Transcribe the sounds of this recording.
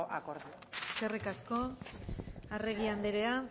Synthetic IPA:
ʔakoɾðu | eske̞rikasko̞ | areɣ̞iand̪eɾe̞a

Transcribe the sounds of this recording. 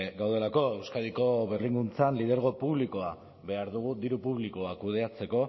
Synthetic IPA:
ɡawð̞e̞lako̞e̞wskaðiko̞βerliŋɡunt͡sanlið̞e̞ɾɣ̞o̞puβliko̞a | βe̞aɾðuɣ̞ud̪iɾupuβliko̞akuð̞e̞at͡se̞ko̞

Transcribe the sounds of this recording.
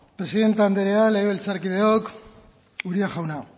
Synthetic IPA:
pɾe̞siðe̞nt̪eand̪eɾealeɣeβelt͡saɾkiðeok | uɾiaʝawna

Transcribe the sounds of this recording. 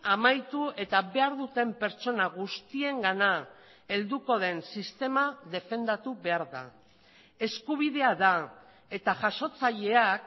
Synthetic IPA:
amajt̪ue̞t̪aβe̞aɾðut̪e̞mpe̞ɾt͡ʃo̞naɣust̪ie̞ŋɡana | e̞ld̪uko̞ðe̞nsist̪e̞maðe̞fe̞nd̪at̪uβe̞aɾða̰ | e̞skuβ̞iðe̞aða | e̞t̪aʝaʃo̞t͡saʎe̞ak

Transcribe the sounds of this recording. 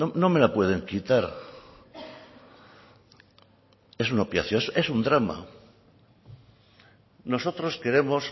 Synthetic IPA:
ono̞me̞lapwe̞ð̞e̞ŋkit̪aɾ | e̞sunopja̰θjose̞sund̪ɾama̰ | no̞so̞t̪ɾo̞ske̞ɾe̞mo̞s

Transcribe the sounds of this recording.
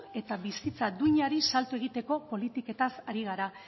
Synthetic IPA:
e̞t̪aβisit͡sad̪uɲaɾisalt̪ue̞ɣ̞it̪e̞ko̞po̞lit̪ike̞t̪asaɾiɣ̞aɾa

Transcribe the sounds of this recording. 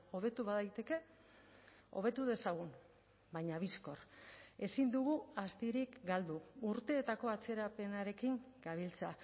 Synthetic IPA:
o̞β̞e̞t̪uβaðajt̪e̞ke̞ | o̞̰β̞e̞t̪uðe̞saɣ̞un | bajɲaβisko̞ɾe̞sind̪uɣ̞uast̪iɾikɡald̪uuɾt̪e̞ːt̪ako̞at͡se̞ɾape̞naɾe̞kiŋ | ɡ̥aβilt͡sea

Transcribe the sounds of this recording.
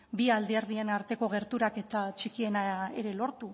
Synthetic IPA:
biald̪ieɾðienaɾt̪e̞ko̞ɣ̞e̞ɾt̪uɾake̞t̪at͡ʃikie̞nae̞̰ɾe̞lo̞ɾt̪u

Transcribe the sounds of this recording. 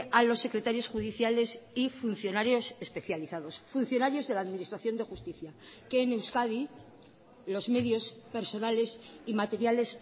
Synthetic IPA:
alo̞sːe̞kɾe̞t̪aɾjo̞sxuðiθjale̞sifun̟θjo̞naɾjo̞se̞spe̞θjaliθaðo̞sfun̟θjo̞naɾjo̞zðe̞laːðminist̪ɾaθjo̞nd̪e̞xust̪iθjake̞ːne̞wskaði | lo̞zme̞ðjo̞spe̞ɾso̞nale̞simat̪e̞ɾjale̞s

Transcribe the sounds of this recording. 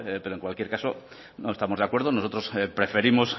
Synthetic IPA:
epe̞ɾoeŋkwalkje̞ɾkaso̰ | noest̪amoðakwe̞ɾðono̞so̞t̪ɾo̞spɾe̞fe̞ɾimo̞s

